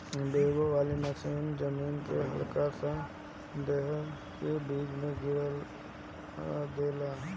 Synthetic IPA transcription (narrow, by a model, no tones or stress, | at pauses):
beːɡoʋaːlinasiːnd͡ʒəmiːnkeɦə̰lkasã | d̪eɦɾ | kebiːd͡ʒmẽɡɪɽəl | d̪eːlaː